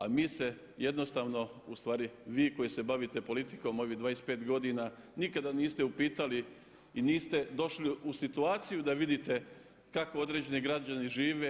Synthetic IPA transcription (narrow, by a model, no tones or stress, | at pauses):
amiːse | je̞d̪no̞st̪aːʋno̞ust̪ʋaːɾiʋiːko̞jise̞baʋit̪e̞po̞lit̪i̥ko̞mo̞ʋiɦd̪ʋaːjespe̞ːt̪ɡo̞d̪inanikad̪aniːst̪e̞upiːt̪ali | iniːst̪e̞d̪o̞ʃliusit̪uaːt̪sijud̪aʋid̪it̪e̞ | kako̞od̪ɾe̞d͡ʑe̞niɡɾad͡ʑaniʒiːʋe